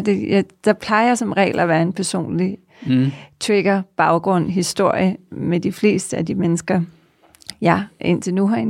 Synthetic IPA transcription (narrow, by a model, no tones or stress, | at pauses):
d̥ejæd̥ɑ̈pʰlɑ̈ɪasɒ̽mʁɛ̰ːlæʋæːɐe̝npʰæɐso̝̰ːnli | t͡sʰweɡ̥ɐb̥ɑ̈ʊɡ̥ʁɔ̽n̰ɦisd̥o̝ɐ̰jəmed̥ifle̝̰ːsd̥əæd̥imenəsɡ̥ɐ | jæʔen̰t͡sʰe̝nuɦɑe